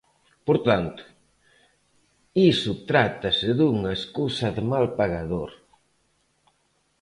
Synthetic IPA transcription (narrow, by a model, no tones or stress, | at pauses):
poɾt̪ant̪ʊ̥ | isʊt̪ɾat̪ɐsɪðuŋaeskusɐðɪmalpaɣaðoɾ